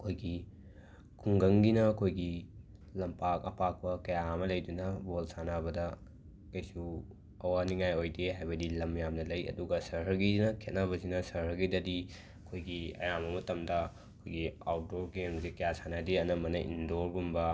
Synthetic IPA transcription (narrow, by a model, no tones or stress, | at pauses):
ɐkʰojɡi | kʰuŋɡɐŋɡinɐkʰojɡi | lɐmpakɐ̰pak̚pɐkɐjaɐmɐlɐjdunɐbolsanabɐdɐ | kɐjsu | ɐwaniŋajojdeɦajbɐdilɐmjamnɐlɐjɐ̰duɡɐsɐɾɦɐɾɡinɐkʰet̚naβɐsinɐsɐɾhɐɾɡidɐdi | ɐkʰojɡiɐ̰jamɐmɐtɐmdɐ | ɐkʰojɡia̰wt̚doɾɡensikɐjasanadiɐnɐmɐnɐʔḭndoɾbumbɐ